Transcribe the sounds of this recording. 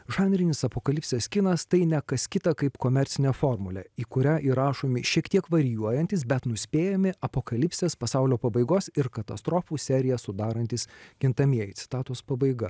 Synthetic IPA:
ʒɑːnʲɾʲɪnʲɪsɐpoːkɐlʲɪpʲsʲeːskʲɪnɐst̪ɐɪnʲɛkɐskʲɪt̪ɐkɐɪpkoːmʲɛɾʲt̪sʲɪnʲɛfoːɾmʊlʲɛ̰iːkʊɾʲæːʔiːɾɑːʃoːmʲɪʃʲiɛkt̪ʲiɛkʋɐɾʲɪjuɔjɛnʲt̪ʲɪsbʲɛt̪nʊsʲpʲeːjɛmʲɪɐpoːkɐlʲɪpʲsʲeːspɐsɑʊlʲoːpɐbɐɪɡoːsɪɾkɐt̪ɐst̪ɾoːfuːsʲɛɾʲɪjɛsʊd̪ɑːɾɐnʲt̪ʲɪsɡʲɪnt̪ɐmʲiɛjɛt̪ʲɪ̥t̪ɑːt̪oːspɐbɐɪɡɐ

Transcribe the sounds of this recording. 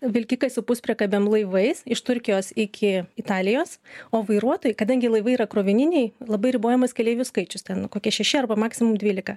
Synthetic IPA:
ʋʲɪlʲkʲɪkɐɪsʊpʊsʲpʲɾʲɛkɐbʲɛmlˠɐɪʋɐɪsɪʃt̪ʊɾʲkʲɪjoːsɪkʲɪɪt̪ɑːlʲɪjoːsoːʋɐɪɾuɔt̪oːjɪkɐd̪ɐŋʲɡʲɪlˠɐɪʋɐɪiːɾɐkɾoːʋʲɪnʲɪnʲɛɪlˠɐbɐɪɾʲɪboːjɛmɐskʲɛlʲeːʋʲʊskɐɪt͡ʃʲʊst̪ʲɛnkoːkʲiɛʃʲɛʃʲɪɐrbɐmɑːksʲɪmʊmd̪ʲʋʲiːlʲɪkɐ

